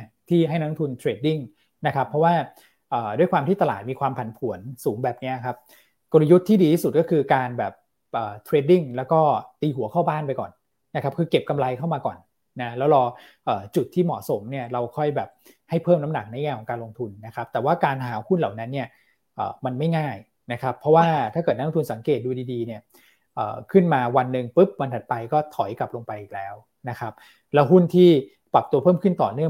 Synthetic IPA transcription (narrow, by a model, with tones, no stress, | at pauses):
t̪ʰiː˥˩ɦa˥˩jnɔː˦˥ŋt̪ʰu˧nt̪ʰɾeː˧t̚di˥˩ŋ | na˦˥kʰa˦˥pʰːɾɔ˦˥waː˥˩ | ʔəː˨˩du˥˩əjkwaː˧mt̪ʰiː˥˩t̪a˧laː˨˩t̪̚miː˧kʰwaː˧mpʰa˩˦npʰu˩˦ənsuː˩˦ŋbɛː˨˩p̚ni˦˥ɐkʰa˦˥p̚ | ko˧la˧ju˦˥t̪ʰːiː˥˩diː˧t̪ʰiː˥˩su˨˩t̪̚kɔ˥˩kʰɯː˧kaː˧nbɛː˨˩p̚ | ʔəː˨˩t̪ʰɾeː˨˧d̚i˥˩ŋlɛː˦˥wkɔː˥˩t̪iː˧ɦu˩˦kʰa˥˩baː˥˩npa˧jkɔ̰ː˨˩n | na˦˥kʰa˦˥p̚kʰɯː˧ke˨˩p̚ka˧mla˧jkʰa˥˩wmaː˧kɔ̰ː˨˩nː | a˦lɛː˦˥wɾɔː˧ | ʔɤː˨˩t͡ɕu˨˩t̪ʰːiː˥˩mɔ̰˨˩so˩˦mni˥˩ɐɾa˧wkʰɔ˥˩jbɛː˨˩p̚ | ha˥˩jpʰɤː˥˩mna˦˥na̰˨˩k̚na˧˥˦ŋaː˧kʰɔ˩˦kaː˧lo˧ŋt̪ʰu˧nːa˦˥kʰa˦˥p̚t̪ɛː˨˩waː˥˩kaː˧nɦaː˩˦hu˥nla˨˩wna˦˥nːi˥˩ɐ | ʔə̰ː˨˩ma˧nma˥˩jŋaː˥˩j | na˦˥kʰa˦˥pʰːɔ˦˥waː˥˩t̪ʰaː˥˩kɤː˨˩t̪n˦lo˧t̪ʰu˧nsa˩˦ŋkeː˨˩t̪̚duː˧diː˧diː˧ni˥˩ɐ | ʔə̰ː˨˩kʰɯ˥˩nmaː˧wa˧nːɯ˨˧ŋpɯ˦˥p̚wa˧nt̪ʰa˨˩t̪̚pa˧jkɔː˥˩t̪ʰɔ˨˩˦jka˨˩p̚lo˧ŋpa˧jʔiː˨˩k̚lɛː˦˥w | na˦˥kʰa˦˥p̚ | lɛː˦˥wɦu˥˩nt̪ʰiː˥˩ | pa˨˩p̚t̪u˧ɐpʰɤː˥˩mkʰɯ˥˩nt̪ɔː˨˩nɯ˥˩ə